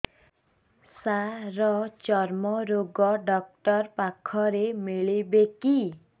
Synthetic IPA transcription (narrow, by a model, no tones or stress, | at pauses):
saɾʌt͡ʃʌrmʌɾoɡʌɖʌk̚ʈʌrpakʰːʌɾemeɭibeki